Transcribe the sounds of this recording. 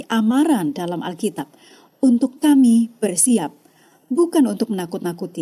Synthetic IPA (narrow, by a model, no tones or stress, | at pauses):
ʔamaɾandalamʔa̰lkit̪ap̚ | unt̪ʊkːamib̥ərsiap̚ | bukanunt̪ʊk̚mənakʊt̪̚nakut̪i